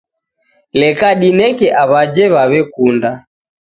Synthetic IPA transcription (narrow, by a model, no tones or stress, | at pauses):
lɛkaɗinɛkɛʔaβad͡ʒɛβaβɛkunda